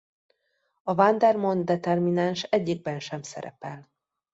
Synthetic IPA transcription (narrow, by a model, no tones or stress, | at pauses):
ɒvand̪ɛrmond̪ɛt̪ɛrminanʃɛɟːiɡ̚bɛnʃɛmsɛ̰ɾɛ̰pɛl